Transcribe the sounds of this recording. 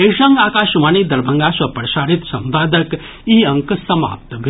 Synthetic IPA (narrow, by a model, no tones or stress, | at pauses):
esəŋɡakaʃmaːnid̪ɐɾbʱɐŋɡasɐpɾəsaːɾit̪sɐmpaːd̪ək | iɐ̃ŋksɐma̰ːp̚t̪bʱ